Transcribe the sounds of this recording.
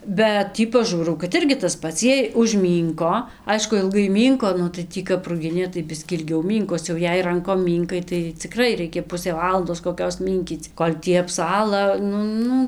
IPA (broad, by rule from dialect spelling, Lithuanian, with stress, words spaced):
bʲɛt ˈtʲiː pɐˈʒuːrɐʊ kɐt ˈɪrʲɡʲɪ tɐs ˈpɐts ˈjiɛj ʊʒʲˈmʲiːŋkoː ˈɐɪʃkʊ ɪlˠˈɡɐɪ ˈmʲiːŋkoː ˈnʊ tɐɪ ˈtʲiː kɐp rʊˈɡʲɪnʲeː tɐɪ ˈbʲɪsʲkʲiː ɪlʲˈɡʲɛʊ ˈmʲiːŋkoːs jɛʊ ˈjɛɪ ˈrɐŋkoːm ˈmʲiːŋkɐɪ tɐɪ t͡sʲɪˈkrɐɪ ˈrʲɛɪkʲɛ ˈpʊsʲeː ˈʋɑːlˠɐndoːs koːˈkʲoːs ˈmʲiːŋʲkʲiːt͡s ˈkoːlʲ ˈtʲiː ɐpˈsɑːlˠɐ ˈnʊ ˈnʊ